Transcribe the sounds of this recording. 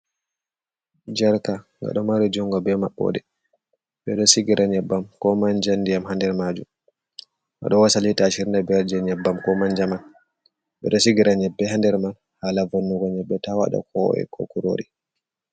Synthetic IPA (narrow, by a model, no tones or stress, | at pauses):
d͡ʒɛɾkaŋɡa̰ɗɔmaɾid͡ʒuŋɡɔbɛmaɓːɔ̰ɗɛ | ɓɛɗɔsiɡiɾʔaɲɛbːamkɔmand͡ʒandijamhandɛɾmad͡ʒum | ʔa̰ɗɔwasalitaʃiɾnabɛɾd͡ʒɛɲɛbːamkɔmand͡ʒaman | ɓɛ̰ɗɔsiɡiɾaɲɛbːɛhandɛɾman | haːlavonːuɡɔɲɛbːɛtawa̰ɗa̰kʰɔ̰ɛ̰kʰɔ̰kuɾo̰ɾi